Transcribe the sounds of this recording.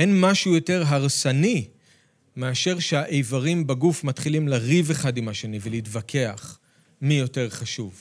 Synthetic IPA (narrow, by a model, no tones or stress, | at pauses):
enmaʃujo̞te̞ʁɦaʁsani | meaʃe̞ʁʃehaʔejvaʁimbaɡufmatχilimlaʁiveχadimaʃenivelitvakʰe̞aχ | mijo̞te̞ʁχaʃuv